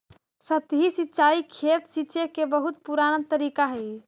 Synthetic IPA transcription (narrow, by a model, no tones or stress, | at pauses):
sət̪ɦisitːʃaikʰet̪siːt͡ʃekebəɦut̪̚puɾañənt̪əɾikaɦəj